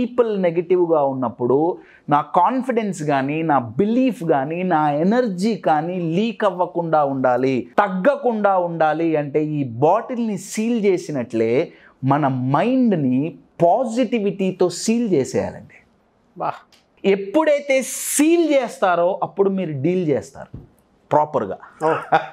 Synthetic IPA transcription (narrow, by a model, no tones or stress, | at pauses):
piːpɐlneɡɐʈiʋɡaːunːɐpːuɽu | naːkaːnpiɖensɡaːninaːbiliːpʰɡaːninaːenɐɾd͡ʒiːkaːniːliːkɐʋːɐkuɳɖaːuɳɖaːlit̪ɐɡːɐkuɳɖaːuɳɖaːliɐɳʈe̞ːiːbaːʈilnisiːlt͡ʃeːsinɐʈleː | mɐnɐmɐjɳɖnipaːd͡ʒiʈiʋiʈiːt̪o̞ːsiːlt͡ʃɛːsɛ̰ːja̰ːlɐ̰ɳɖi̥ | ba | e̞pːuɽɐjt̪e̞ːsiːlt͡ʃɛːst̪aːɾoːʔɐpːuɽumiːɾuɖiːlt͡ʃɛːst̪a̰ːɾu | pɾaːpɐɾɡa̰ː